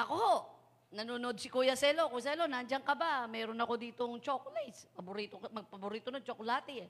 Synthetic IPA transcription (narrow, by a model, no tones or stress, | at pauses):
ʔɐkohoʔ | nɐnunod̪̚sɪkujɐsɛlokujs̬ɛlonɐʔɐnd͡ʒaŋkɐbamɛːɾonɐko̞d̪iːt̪oŋt͡ʃokolajspɐbʊɾiːt̪omɐɡ̚pɐbʊɾiːt̪onɐŋt͡ʃokolaːt̪ɪ